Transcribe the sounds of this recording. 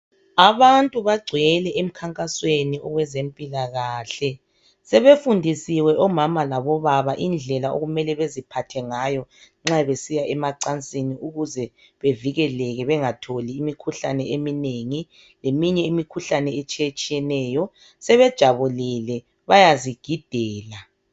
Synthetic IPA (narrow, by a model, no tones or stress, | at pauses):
aβantʼuβaɡ͡ǀʱwɛlɛʔem̩kʰaŋkʼasweniɔɣwɛzempʼilaɣaːɬɛ | sɛβefundʱisiwɛʔɔmamalaβɔβaβaʔind͡ɮʱɛlao̰ɣumɛlɛβezipʰatʰɛŋajɔ | ŋ͡ǁaβesijaʔɛmaǀant͡sʼiniuɣuzɛ | βeviɣɛlɛɣɛβɛŋatʰoliːmikʰuɬanɛemineŋi | lemiɲɛimikʰuɬanɛet͡ʃʼiet͡ʃʼijɛnɛːjɔ | sɛβɛd̥ʒ̥ʱaβulilɛ | βajaziɡ̥ʱid̥ʱɛːla